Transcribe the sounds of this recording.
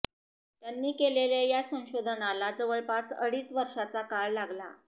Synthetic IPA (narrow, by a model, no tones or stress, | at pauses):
t̪janːiːkelelejasə̃ɕod̪ʱnalad͡zəʋəɭpasə̰ɽiːt͡sʋəɾʂat͡sakaɭlaɡla̰